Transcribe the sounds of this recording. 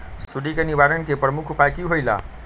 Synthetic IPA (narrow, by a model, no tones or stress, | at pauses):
suɖikəniʋaɾənkepɾəmukʰupajkiɦojla̰